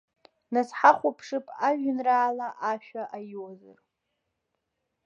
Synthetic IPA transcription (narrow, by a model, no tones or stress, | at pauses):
nasħaχʷapʰʂɨpʼaʒᶣɪnraːlaʔaʃᶣaʔajwozɨ̰r